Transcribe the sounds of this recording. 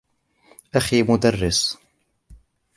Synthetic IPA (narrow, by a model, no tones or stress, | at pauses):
ʔaximʊd̪arːɪs